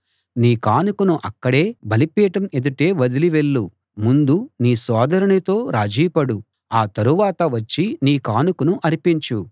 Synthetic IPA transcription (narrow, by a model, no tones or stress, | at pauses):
niːkaːnukunuʔɐkːɐɽe̞ːbʱɐlipiːʈɐme̞d̪uʈe̞ːʋɐd̪iliʋe̞ɭːu | mund̪uniːsɔːd̪ɐɾɐɳit̪o̞ːɾaːd͡ʒiːpɐɽu | aːt̪ɐɾuʋaːt̪ɐʋɐt͡ʃːiniːkaːnukunuʔɐɾipiɲt͡ʃu